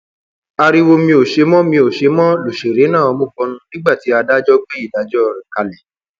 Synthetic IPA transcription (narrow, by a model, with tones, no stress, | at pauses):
a˧ɾi˧wo˧mĩ˧o˨ʃe˨˦mɔ̃˦mĩ˧o˨ʃe˨˦mɔ̃˦lo˨ʃe˨ɾe˨˦nã˦˨ɔ˧mõ˦˨k͡pɔ˧˦nũ˦nĩ˦ɡ͡ba˦˨ti˨˦a˧da˦d͡ʒɔ˦ɡ͡bɛ˦i˦˨da˨˦d͡ʒɔ˦˧ɾɛ̃˨ka˧lɛ˨